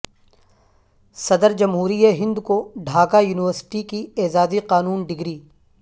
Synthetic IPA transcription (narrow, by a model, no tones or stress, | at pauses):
sɐd̪əɾd͡ʒɐmɦuːɾijeɦɪ̃nd̪koɖʱaːkajuːnɪʋəɾsɪ̥ʈikieːzaːziqaːnuːnɖɪɡɾiː